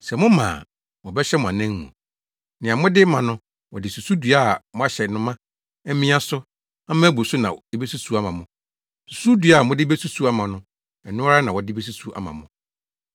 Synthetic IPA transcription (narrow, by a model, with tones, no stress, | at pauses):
sɛ˨mʊ̃˦mã̰ː˨ | wɔ̃˨bɛ˦ɕɛ˦mʊ̃˨a˨nɛ̃˦ŋː˦ʊ̰̃˨ | nɪ̃˨ã˨mʊ̃˦dɪ˦mã˨nʊ̃˦ | wɔ˨dɪ˨su˨su˦du˨a˦˨mʊ̃˦a˦ɕɛ˨nʊ̃˦mã˦ | ɛ˦mĩ˦a˦sʊ˦ | a˦mã˦æ˦bu˨sʊ˦nã˨ɛ˦be˦su˦su˨˦a˦mã˨mʊ̃˨ | su̥˨su˦dɥa˨mʊ̃˦dɪ˦be˦su˦su˦a˦mã˨nʊ̃˦ | ɛ˨nʊ̃˦ɾa˦nã˨wɔ˨dɪ˦be˦s̬u˦su˦ʔa̰˦mã̰˨mʊ̃˨